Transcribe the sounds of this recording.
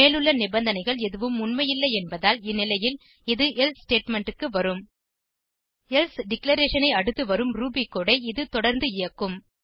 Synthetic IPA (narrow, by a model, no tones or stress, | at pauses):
eːlɯɭːɐnɪbɐnd̪ɐnɐɪɣɐɭɛðɯʋɯmʊnmɐjɪlːɐɪɛnbɐðaːlɪnːɪlɐjɪl | ɪðɯʔɛlssʈeːʈmɛɳʈɯkːɯʋɐɾɯm | ɛlsɖɪklɐɾeːʂɐnɐɪɐɽɯt̪ːɯʋɐɾɯmɾuːbikːoːɽɐɪɪðɯt̪ɔɽɐɾnd̪ɯɪjɐkːɯm